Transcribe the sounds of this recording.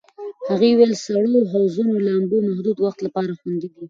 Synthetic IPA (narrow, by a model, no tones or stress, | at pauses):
haɣewelsaɽoɦawzunolambomahd̪ud̪waxt̪lapɑɾaxwand̪id̪i